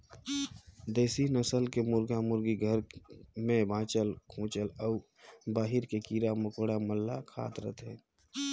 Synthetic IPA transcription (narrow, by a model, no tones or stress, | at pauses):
d̪eːsinəsəlkemʊɾɡamʊɾɡiɡʱəɾmẽbʱãːt͡ʃəlkʰũːt͡ʃəlɔː | baːɦɪɾkekiːɾamʊkoːɽaməlːakʰa̰ːt̪ɾə̰t̪ɦɛ̰̃ː